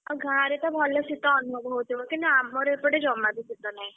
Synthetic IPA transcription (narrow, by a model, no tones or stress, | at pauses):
ɔɡʱãɾet̪ɔbʱɔlɔsit̪ɔːnubʱɔʋt̪iʋɔkĩnt̪uamːɔɾepəɽed͡ʒɔmabʱisit̪ɔnaĩ